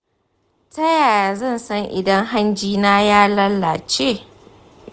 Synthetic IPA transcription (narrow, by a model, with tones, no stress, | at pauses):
tɐ˦jaː˨ja˨zɐ˦˨nsɐ˦ŋʔɪ̰˨dɐ˦ŋɦa˦nd͡ʒiː˦naː˦jaː˦lɐ˦lːa˨t͡ʃeː˦